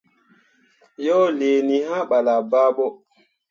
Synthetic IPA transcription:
jɔ˦le˨ni˨ha˦ɓa˨la˨ba˦ɓo˦

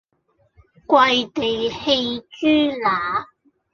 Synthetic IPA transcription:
kwɐ˧jt̪e˨jhe˧jt͡ʃyː˥laː˨˥˦

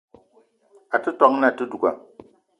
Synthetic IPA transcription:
a˨tɨ˦tɔ˦ŋ˦na˦˨tɨ˦du˨ɡa̰˨

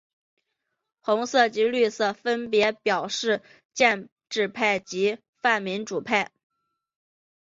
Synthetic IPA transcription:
xʊ˧˥ŋsɤ˥˩t͡ɕi˧˥ly˥˧sɤ˥˩fə˥npjɛ˧˥pjɑ˨˩ʊʂɻ̩˥˩ | t͡ɕjɛ˥˧n | ʈ͡ʂɻ̩˥˧pʰa˥˩ɪt͡ɕi˧˥ | fa˥˩nmi˧˥nʈ͡ʂu˨˩pʰa˥˩ɪ

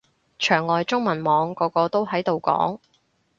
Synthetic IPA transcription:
t͡ʃʰœː˨˩ŋːɔː˨jt͡sʊ˥ŋmɐ˨˩nmɔː˨˧ŋkɔː˨˧˥kɔː˧t̪o˥whɐ˨˥jt̪o˨wkɔ̰ː˨˥ŋ

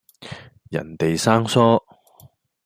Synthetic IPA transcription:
jɐ̰˨˩nt̪e˨jsaː˥ŋsɔː˥

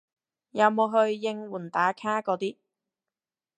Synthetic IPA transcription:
jɐ˨˧wmo˨˧wɦɵ˧ɥːɪ˧ŋwuː˨˩nt̪aː˨˥kʰaː˥kɔː˨˧˥t̪iː˥

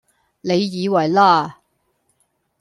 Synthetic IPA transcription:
ne˨˧jːiː˨˧wɐ˨˩jlaː˥˩

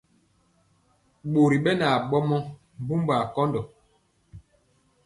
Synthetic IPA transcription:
ɓo˨ɾi˨ɓɛ˦na˨ɓɔ˦mɔ˦ | m˨bu˦mba˨kɔ˦ndɔ˨

